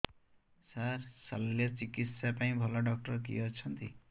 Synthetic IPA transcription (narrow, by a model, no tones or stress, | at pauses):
saɾsalːjɔt͡ʃikit̪sjapaĩbʱɔlɔɖɔk̚ʈɔɾɔk̬ḭɔt͡ʃʰɔnt̪i